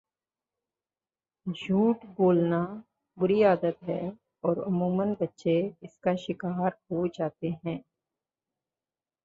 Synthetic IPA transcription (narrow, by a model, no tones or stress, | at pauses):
d͡ʒʱuːʈboːlna | bʊɾiaːd̪ət̪ɦɛː | ɔːɾʊ̰muːmənbɐtːʃeɪskaʃɪkaːɾɦod͡ʒaːt̪eɦɛ̃ː